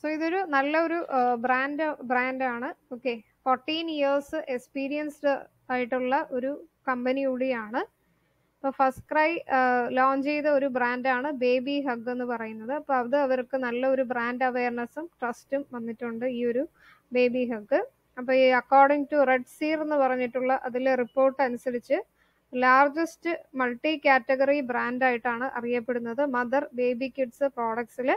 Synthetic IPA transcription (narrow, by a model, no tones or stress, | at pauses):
soːiðo̞ɾunɐlːɐo̞ɾubraːndɨbraːndaːɳɨoːkːe̞ | foːrʈːiːnjiɐrsɨʔekspiːɾijɐnsɨ | aːjiʈːuɭːɐʔo̞ɾukɐmbɐnijuɽijaːɳɨ | ɐpːoːfɐskrɐjloːɲd͡ʑejðɐo̞ɾubraːndaːɳɨbe̞ːbiɦɐɡːe̞nːɨpɐrɐjunːɐðɨɐpːoːɐðɨɐʋɐrkɨnɐlːɐo̞ɾubraːndɐʋe̞ːrɳɐsumʈrɐstumʋɐnːiʈːuɳɖɨiːo̞ɾu | be̞ːbiɦɐɡːɨ | ɐpːoːiɐkːoːrɖiŋɡʈureɖsiːre̞nːɨpɐrɐɲːiʈːuɭːɐʔɐðilripːo̞ːrʈːɨɐnusɐðit͡ɕːɨ | laːrd͡ʑɐstɨmɐlʈikaːtːɐɡɐribraːndaːjiʈːaːɳɨʔɐ̰rijɐpːe̞ɽunːɐðɨmɐðɐrbe̞ːbikʲːiʈsɨpro̞ːɽɐk̚ʈsil